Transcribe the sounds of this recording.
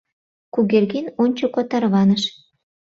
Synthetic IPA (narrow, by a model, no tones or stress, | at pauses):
kuɣerɣinonʲt͡ɕokot̪ɑrβɑnəʃ